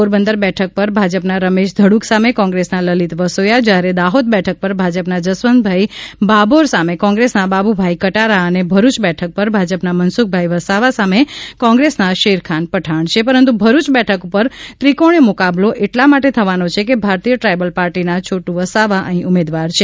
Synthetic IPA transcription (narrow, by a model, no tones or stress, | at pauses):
poɾbənd̪əɾbɛʈʰək̚pəɾbʱad͡ʒəpnaɾəmeʃd̪ʱəɽuksamekɔ̃ŋɡɾesnaləlit̪ʋəsojad͡ʒaɾed̪aɦod̪̚bɛʈʰək̚pəɾbʱad͡ʒəpnad͡ʒəsʋənd̪bʱaibaboɾsamekɔ̃ŋɡɾesnababubʱajkəʈaɾaənebʱəɾut͡ʃbɛʈʰək̚pəɾbʱad͡ʒəpnamənsuk̚ʰbʱaiʋəsaʋasamekɔ̃ŋɡɾesnaʃeɾkʰanpəʈʰaɳt͡ʃʰepəɾə̃nt̪̬ubʱəɾut͡ʃbɛʈʰəkupəɾt̪ɾikoɽ̃emʊkabloʔeʈlamaʈet̪ʰəʋanot͡ʃʰekebʱaɾt̪ijəʈɾajbəlpaɾʈinat͡ʃʰoʈũʋəsaʋaʔəɦĩʔumed̪ʋaɾt͡ʃʰe